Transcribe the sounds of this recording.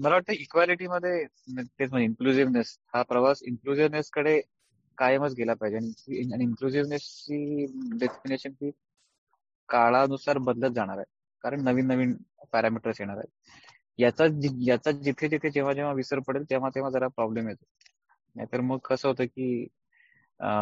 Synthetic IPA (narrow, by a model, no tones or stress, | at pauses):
məlaʋaʈt̪əikʋaliʈiməd̪ʱːje | t̪et͡smənd͡ʑeiŋkluziʋneshapɾəʋasiŋkluziʋneskəɽe | kajəmət͡sɡʱelapaɦid͡ʑeaɽ̃iaɽiiŋkluziʋnest͡ɕiːɖesʈineɕənt̪iː | kaɭaənusaɾbəd̪lət̪̚d͡zaɽ̃aɾaɦe | kaɾəɳnəʋiːnːəʋiːnpɛɾamiʈəɾsjeɽ̃aɾa̰ɦe | jat͡sad͡ʑijat͡sad͡ʑit̪ʰed͡ʑit̪ʰed͡ʑeʋ̤ad͡ʑeʋ̤aʋisəɾpəɽelt̪eʋ̤at̪eʋ̤ad͡zəɾapɾɔblemjet̪o̥ | nja̰t̪əɾməɡ̚kəsəːɦot̪əːkiː